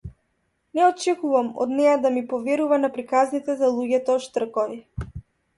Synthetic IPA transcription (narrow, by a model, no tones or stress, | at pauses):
nɛɔt͡ʃɛkuvamɔ̰d̪nɛjad̪amipɔvɛɾuvanapɾikaznit̪ɛzalˠuɟɛt̪ɔʃt̪r̩kɔvi